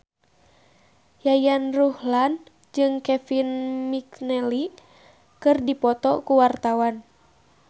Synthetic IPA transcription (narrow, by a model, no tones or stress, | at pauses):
jajanruhlan | d͡ʒɨŋkɛfinmiknɛli | kɨrdipɔt̪ɔkuwart̪awan